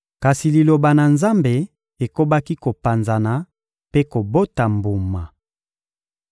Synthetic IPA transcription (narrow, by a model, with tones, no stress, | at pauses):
ka˨si˨li˨lo˨ba˨na˨nza˦mbe˨ | e˨ko˦ba˦ki˦ko˨pa˨nza˨na˨ | pe˦ko˨bo˦ta˨mbu˨ma˨